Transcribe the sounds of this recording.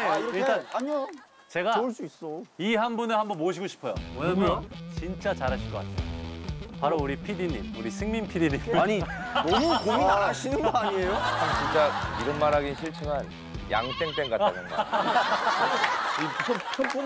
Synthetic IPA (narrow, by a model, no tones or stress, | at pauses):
eiɭt͈anaɲio | t͡ɕe̞ɡaoɭs͈uis͈oiɦanbunɯɭhambʌnmoɕ̬ʰiɡoɕʰi̥pʰʌjo̰wʌɲamjʌnt͡ɕint͡ɕ͈at͡ɕaɾɦaɭɕʰikʌk͈a̰tʰeopaɾouɾipʰidiɲimuɾisʰɯŋminpʰidiɲimaɲinʌmukominaɾaɕʰinɯnɡoaɲiejot͡ɕiŋt͡ɕ͈aiɾʌnmaɾɦaɡinɕʰiɭt͡ɕʰɯŋan | ja̰ŋt͈eŋt͈eŋɡataɡʌnɡa̰ | pusʰot͡ɕʰop͈on